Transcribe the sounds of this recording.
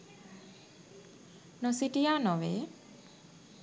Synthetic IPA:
nɔsiʈijanɔʋe

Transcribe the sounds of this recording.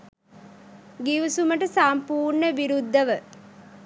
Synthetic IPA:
ɡiʋusuməʈəsampuːɾɳəʋiɾud̪ːəʋə

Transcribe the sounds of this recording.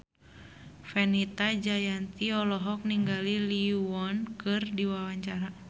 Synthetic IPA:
fɛnit̪ad͡ʒajant̪iɔlɔɦɔk̚niŋɡaliliuɔnkɨrdiwawaɲt͡ʃaɾa

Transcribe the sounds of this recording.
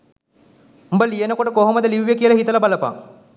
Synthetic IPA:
mbəlijenəkoʈəkoɦoməd̪əliʋːjəkiəlaɦit̪əlabaləpa̰

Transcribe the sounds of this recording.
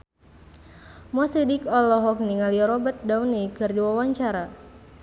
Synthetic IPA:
mɔsidikɔlɔɦɔk̚niŋaliɔɾɔbət̪̚daunikɨrdiwawaɲt͡ʃaɾa

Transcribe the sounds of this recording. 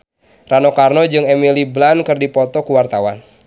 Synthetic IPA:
ranokarnɔd͡ʒɨŋɛmiliblankɨrdipɔt̪ɔkuwart̪awa̰n

